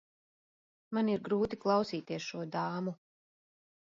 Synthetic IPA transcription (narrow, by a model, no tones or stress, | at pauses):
maniɾɡɾuːt̪iklˠɑwsiːt̪iɛsʃuɔd̪aːmu